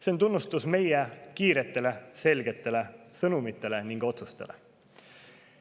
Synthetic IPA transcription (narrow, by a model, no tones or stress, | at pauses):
sent̪unːust̪usme̞jekiːɾe̞t̪ːˑe̞le̞se̞lɡ̥e̞t̪ːe̞lesɤnumit̪ˑːe̞le̞niŋɡ̥o̞t̪sust̪e̞lʔḛ